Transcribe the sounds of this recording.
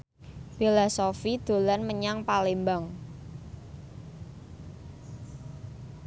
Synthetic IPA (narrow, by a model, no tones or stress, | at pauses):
filɔsofid̪̥o̤lanməɲaŋpalembaŋ